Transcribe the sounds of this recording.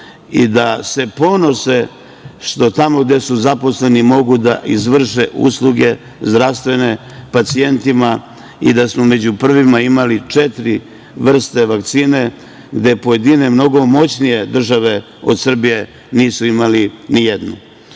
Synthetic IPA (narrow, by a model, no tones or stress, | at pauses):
ḭd̪ase̞po̞no̞se̞ | ʃt̪o̞t̪amo̞ɡd̪e̞suzapo̞sle̞nimo̞ɡud̪a̰ʔizʋr̩ʃeʔṵslˠuɡe̞ | zd̪ɾast̪ʋe̞ne̞ | pat̪sie̞nt̪ima | ḭd̪asmome̞d͡ʑupr̩ʋimaimalit͡ʂet̪ɾi | ʋr̩st̪eʋakt̪siːne̞ | ɡd̪e̞po̞je̞d̪ine̞mno̞ɡo̞mo̞t͡ɕnije̞d̪r̩ʒaʋe̞ | o̞d̪sr̩bije̞ | niːsuimalinijed̪nu